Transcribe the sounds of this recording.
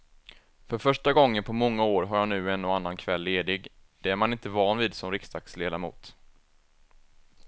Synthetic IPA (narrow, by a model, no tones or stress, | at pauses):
fœɾfœʂʈaɡɔŋːənpʰɔmɔŋːaoːɾɦaɾjanʉ̟ːɛnːɔanːankʰvɛlːeːd̪ɪɡd̪̥ɛæɾmanɪnt̪əvɑːnviːd̪sɔmɾɪkst̪ʰak̪sleːd̪amṵːt̪